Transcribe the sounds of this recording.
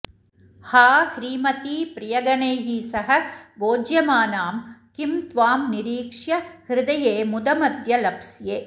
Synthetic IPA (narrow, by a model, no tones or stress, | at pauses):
haːhɾiːmɐt̪iːpɾɪjɐɡɐɳeːɦiːsɐɦɐboːd͡ʒjɐmaːnaːmkɪmt̪ʋaːmnɪɾiːkʂjɐhɾɪd̪ɐjeːmʊd̪ɐmɐd̪jɐlɐpsjeː